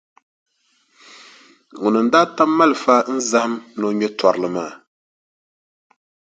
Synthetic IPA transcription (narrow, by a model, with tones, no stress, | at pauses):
u˨nɨ˨n̩˨˦daː˦ta˦mːa˦lɨ˨fa˦n̩˦za˦hmno˦ɲɛ˦ta˨ɾɨ˨lɨ˨maː˦˨